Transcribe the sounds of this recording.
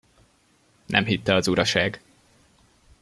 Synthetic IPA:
nʔɛ̰mɦit̪ːɛɒzuɾɒʃaːɡ

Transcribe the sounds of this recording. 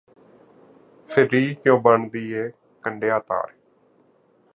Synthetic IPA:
pʰɪɾiːkjõːbəɳd̪iːɛː | kəɳɖeːaːt̪a̰ːɾ

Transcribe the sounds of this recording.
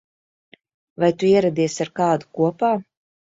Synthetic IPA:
vajt̪uiɛɾad̪iɛsaɾkaːd̪ukuɔpaː

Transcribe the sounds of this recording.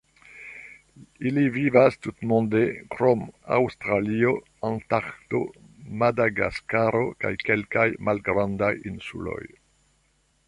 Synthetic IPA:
ilivivast̪ut̪mɔ̃nd̪ekɾoma̰wst̪ɾalio | ãnt̪aχt̪o̰ | mad̪aɡa̰skaɾoka̰jkelkajmalɡɾãnd̪ajinsṵlo̞̰j

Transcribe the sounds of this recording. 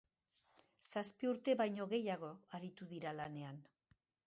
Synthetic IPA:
saspiuɾt̪e̞βajɲo̞ɣe̞jaɣ̞o̞aɾit̪uðiɾalane̞an

